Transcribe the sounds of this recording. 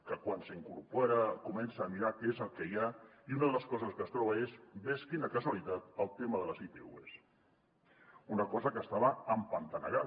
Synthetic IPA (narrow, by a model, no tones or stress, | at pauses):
kəkwansəiŋkuɾpoɾəkumɛnsəːmiɾakezəlˠkɛjaiunəðələskɔzəskəst̪ɾɔβəezbɛskinəkəzwalit̪at̪əlˠt̪eməðələzipḛṵḛs | unəkɔzəkəst̪aβəːmpənt̪ənə̰ɣa